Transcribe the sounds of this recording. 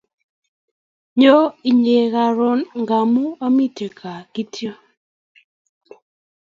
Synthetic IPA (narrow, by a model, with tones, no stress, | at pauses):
ɲo˦i˨ɲe˨ɣa˨ɾɔ˦nŋɡa˨mu˦a˦mi˦ti˨kʰa˨ɡi˦tjo˦